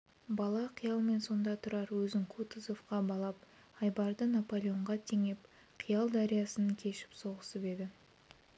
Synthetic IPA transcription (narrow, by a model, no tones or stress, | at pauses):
bɑlˠɑqʰijɑlˠme̞nso̞nd̪ɑt̪ʰʊɾɑɾwɵzɪŋkʰut̪əzo̞fqɑbɑlˠɑp̚ | ɑjbɑɾd̪ənapo̞lʲˠeo̞ɴʁɑt̪ʰeŋep | qʰijɑlˠd̪aɾijɑsənəŋkʲʰe̞ʃɪ̥pso̞ʁəsəpe̞d̪ɪ